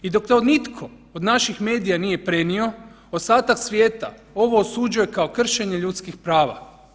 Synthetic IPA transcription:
id̪o̞kt̪aod̪nit̪kʰo̞ | od̪naʃixme̞ːd̪ijaniːje̞pɾe̞nio̞ | ost̪aːt̪aksʋʲje̞ːt̪a̰ | o̞ʋo̞ːsud͡ʑuje̞kao̞kr̩ʃe̞ɲeʎut̪skixpɾaːʋa̰

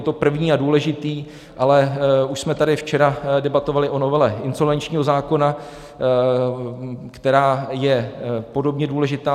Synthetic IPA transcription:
t̪o̞pr̩vɲiːaduːlɛʒɪt̪iː | ʔalɛuʃsmɛt̪adɪft͡ʃɛɾadɛbat̪o̞valɪʔo̞no̞vɛlɛɪnso̞lvɛnt͡ʃɲiːɦo̞zaːko̞na | kt̪ɛɾaːjɛpo̞do̞bɲɛduːlɛʒɪt̪aː

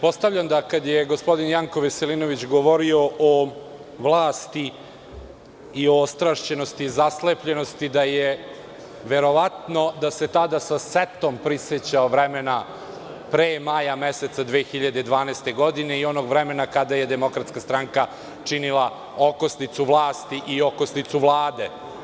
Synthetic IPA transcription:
po̞st̪aʋʎʲamd̪akad̪jeɡo̞spo̞d̪injaŋko̞ʋeselinoʋit͡ɕɡoʋo̞ɾio̞ʔo | ʋlˠaːst̪i | ioost̪ɾaʃt͡ɕe̞nost̪izaslepʎe̞no̞st̪id̪aje | ʋe̞ɾo̞ʋat̪no̞d̪ase̞t̪ad̪asaset̪ompɾiset͡ɕaoʋɾemena | pɾeːmajameset̪sad̪ʋeːxiʎad̪ed̪ʋaːnɛːst̪e̞ɡo̞d̪ine̞io̞noːɡvɾemenakad̪aje̞d̪e̞mo̞kɾat̪skast̪ɾaŋka | t͡ʂinilˠa | okosnit̪suʋlˠaːst̪iʔiokosnit̪suʋlˠaːd̪e̞

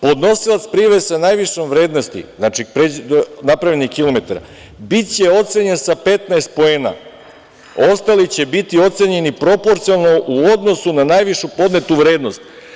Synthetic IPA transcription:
po̞d̪no̞silˠat̪spɾiʋesanajʋiʃomʋɾe̞ːd̪no̞st̪ḭznaːt͡ʃipɾenapɾaʋʎenixkilo̞met̪aɾa̰ | bit̪t͡ɕe̞o̞t̪seɲe̞nsape̞t̪naest̪̚po̞eːna̰ | ost̪alit͡ɕe̞bit̪io̞t̪se̞ɲe̞nipɾo̞po̞ɾt̪siolˠnoʔuo̞d̪no̞sunanajʋiʃupo̞d̪ne̞t̪uʋɾe̞ːd̪no̞st̪

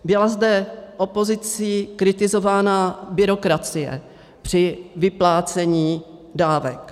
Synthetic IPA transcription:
bɪlazdɛʔo̞po̞zɪt͡siːkɾɪt̪ɪzo̞vaːnabɪɾo̞kɾat͡sɪjɛ̰ | pr̝̥ɪvɪplaːt͡sɛɲiːdaːvɛk

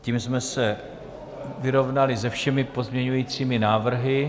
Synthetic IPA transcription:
ciːmsmɛsɛ | vɪɾo̞vnalɪzɛfʃɛmɪpo̞zmɲɛɲujiːt͡siːmɪnaːvr̩ɦɪ

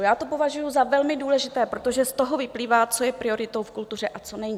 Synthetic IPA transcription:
jaːt̪o̞po̞vaʒujuzavɛlmɪduːlɛʒɪt̪ɛːpɾot̪o̞ʒɛst̪o̞ɦo̞vɪpliːvaːt͡so̞jɛpɾɪo̞ɾɪtt̪o̞wfkult̪ur̝ɛʔat͡so̞nɛɲi

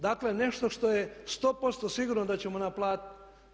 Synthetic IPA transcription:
d̪akle̞ne̞ʃt̪o̞ʃt̪o̞jest̪o̞ːpo̞t̪st̪osiɡuːɾnod̪at͡ɕemonaplˠaːt̪it̪

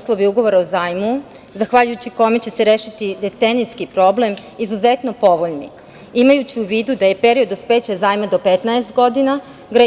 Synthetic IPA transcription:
slˠo̞ʋiuɡo̞ʋo̞ɾaozaːjmu | zaxʋaʎujut͡ɕiko̞me̞t͡ɕe̞se̞ɾeːʃit̪id̪e̞t̪seniskipɾo̞ble̞m | izuze̞t̪no̞po̞ʋo̞ʎnḭ | imajut͡ɕiuʋiːd̪ud̪aje̞pe̞ɾio̞d̪ospe̞ːt͡ɕazaːjmad̪o̞pet̪naest̪ɡo̞d̪ina | ɡɾa

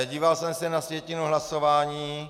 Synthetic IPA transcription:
ɟiːvalsɛmsɛnasvjɛcɪnuɦlaso̞vaːɲiː

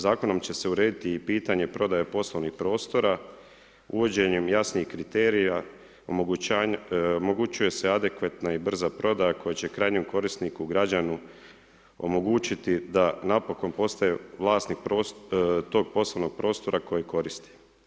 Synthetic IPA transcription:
zaːko̞no̞mt͡ɕe̞se̞uɾeːd̪it̪iːpiːt̪aɲe̞pɾo̞d̪ajapo̞slˠoʋnixpɾo̞ːst̪o̞ɾa | uʋo̞d͡ʑe̞ɲemjasniixkɾit̪eːɾija | omo | omo̞ɡut͡ʃuje̞sead̪e̞kʋat̪naibr̩zapɾo̞d̪ajako̞jet͡ɕe̞kɾaːjɲomko̞ɾist̪nikuɡɾad͡ʒanu | o̞̰mo̞ɡut͡ʃit̪id̪anapo̞ko̞npo̞st̪ajeʋlˠaːst̪nikpɾot̪o̞ːɡ̚po̞slˠoʋno̞ɡ̥̚pɾo̞ːst̪o̞ɾako̞jiko̞ɾist̪i̥

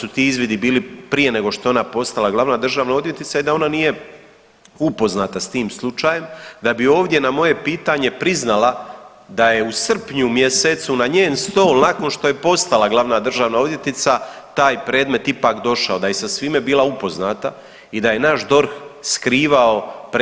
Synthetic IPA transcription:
sut̪iːizʋid̪ibiːlipɾije̞ne̞ɡo̞ʃt̪oo̞napo̞st̪alaɡlˠaʋnad̪r̩ʒaːʋnao̞d̪je̞t̪it̪said̪ao̞nanije̞ | upo̞znaːt̪ast̪iːmslˠut͡ʃaːjemd̪abio̞ːʋd̪je̞namo̞je̞piːt̪aɲe̞pɾiznala | d̪aje̞usr̩pɲumjeset̪sunaɲeːnst̪o̞ːlˠnako̞nʃt̪o̞je̞po̞st̪alˠaɡlˠaʋnad̪r̩ʒaːʋnao̞d̪je̞t̪it̪sat̪aːjpɾe̞ːd̪me̞t̪ipakd̪o̞ʃao̞d̪aje̞sasʋiːme̞biːlˠaupo̞znaːt̪a | id̪aje̞naʃd̪o̞ɾxskɾiːʋao̞p

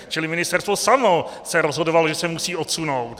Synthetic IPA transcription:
t͡ʃɪlɪmɪnɪst̪ɛɾrst̪vo̞samosɛɾozɦodovalo̞ʒɛsɛmusiːʔot̪suno̞wt̪

